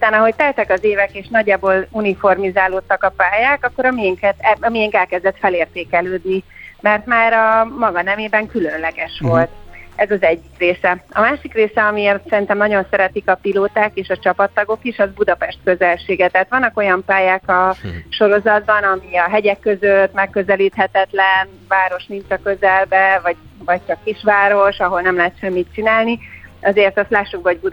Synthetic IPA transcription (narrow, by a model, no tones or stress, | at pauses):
ut̪aːnɒɦo̞ct̪ɛlt̪ɛkɒzeːvɛkeːʃnɒɟːaːboːlunifo̞rmizaːloːt̪ːɒkɒpaːjaːkɒkːo̞ɾɒmijɛŋkɛt̪ɛɒmijɛŋkɛlkɛzd̪ɛt̪fɛleːrt̪eːkɛløːd̪nimɛrt̪maːɾɒmɒɡɒnɛveːbɛŋkylø̞nlɛɡɛʃʋo̞lt̪ɛzɒzɛɟːikreːsɛɒmaːʃikreːsɛɒmieːrt̪sɛɾint̪ɛmnɒɟo̞nsɛɾɛt̪ikɒpiloːt̪aːkeːʃɒt͡ʃɒpɒt̪ːɒɡo̞kiʃɒzbud̪ɒpɛʃt̪køzɛlʃeːɡɛt̪ɛɦat̪ʋɒnːɒko̞jɒmpaːjaːkɒʃo̞ɾo̞zɒd̪̚bɒnɒmiɒɦɛɟɛkːø̞zøt̪mɛkːøzɛliːt̪ɦɛt̪ɛt̪lɛn | vaːɾo̞ʃnint͡ʃɒkø̞zɛlbɛvɒɟvɒc̚t͡ʃɒkːiʃʋaːɾo̞ʃɒɦo̞lnɛmlɛɦɛt̪ʃɛmːit̪̚t͡ʃinaːlniʔɒzeːrt̪ɒst̪laːʃːuk̚bɛɦo̞ɟ̚bud̪